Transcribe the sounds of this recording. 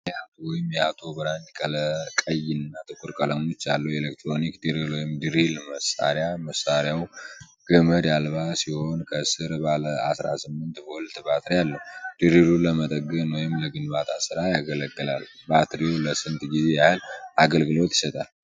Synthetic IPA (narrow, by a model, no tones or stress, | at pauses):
jɛhat̪ʰowɔjɪmjɛhat̪ʰo̞bəɾant͡ʃkʰʼələkʼəjːɪnːat̪ʼɨkʼʊɾkʼələŋo̞t͡ʃːalːəwelek̚t̪ɾo̞nikd̪ɨɾilwɔjɪmd̪ɨɾilməsa̰ɾjaməsːaɾjaw | ɡ̥əməd̪jalbasiho̞nkʰəsɨɾbaləasɾa̰sɨmːɨnt̪bolt̪bat̪ɾialːəhud̪̥ɨɾiluləmət̪ʼəɡːənwɔjɪmləɡɨnbat̪ʰʼasɨɾajaɡələɡːɨla̰lbat̪ɾioləsɨnt̪ʼɡize̞jahɨlaɡəlɡɨlo̞t̪jɪ̥sət̪ʼal